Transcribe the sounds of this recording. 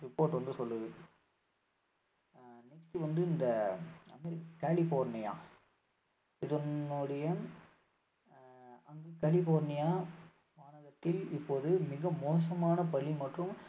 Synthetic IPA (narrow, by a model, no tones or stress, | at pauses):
ɾɪpːoːɾʈʋɐnd̪ɯsɔlːɯðɯ | nɛksʈɯʋɐnd̪ɯɪnd̪ɐɐmɛɾɪkːkaːlɪfoːɾnɪja̰ː | ɪðɐnʊɽɐjɐ | ɐŋɡekɐlɪfoːɾnɪjaː | ʋaːɳɐɣɐt̪ːɪlɪpːoːðɯmɪɣɐmoːs̬ɐmaːnɐpɐɭimɐʈrɯ̃m